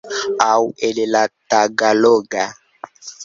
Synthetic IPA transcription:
awelelataɡaloɡa

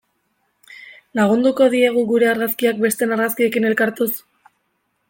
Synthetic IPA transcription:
laɣ̞und̪uko̞ðieɣ̞uɣuɾe̞aɾɣaskiak̚be̞st̪e̞naɾɣaskie̞kine̞lkaɾt̪us

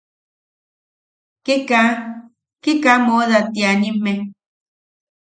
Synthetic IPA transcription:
keka | kekamoðat̪ianimːe

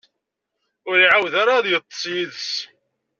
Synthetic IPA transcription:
ʊɾiʕawðaɾaðjət̪ˤːsˤjiðs

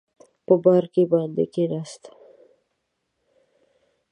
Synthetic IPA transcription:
pəbaɾkebɑnd̪ḛkenast̪

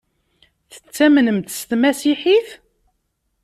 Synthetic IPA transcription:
θə̥t͡sːæmnəmt̪əst̪mæsiħiθ

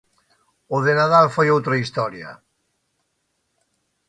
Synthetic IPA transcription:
ʊðenaðalfojowt̪ɾɐist̪ɔɾjɐ̰

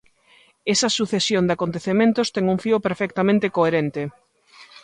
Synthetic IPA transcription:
esɐsuθesjond̪akont̪eθemẽnt̪ost̪ɛŋuŋfiopeɾfɛk̚t̪amẽnt̪ekoeɾent̪e

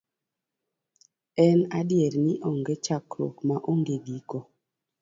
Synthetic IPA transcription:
ɛnadjɛɾnɪʔɔŋɡet͡ʃakɾo̰kmaʔoŋɡeɡiko

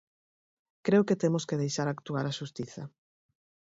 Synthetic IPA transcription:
kɾeʊket̪emoskeðejʃaɾakt̪uaɾaʃust̪iθɐ

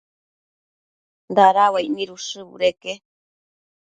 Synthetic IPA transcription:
nd̪aɾawajmiɾuʂɨβṵɾeke

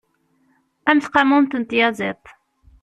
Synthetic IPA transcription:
æmθqɑmunt̪ənt̪jɑzˤɪt̪ˤ

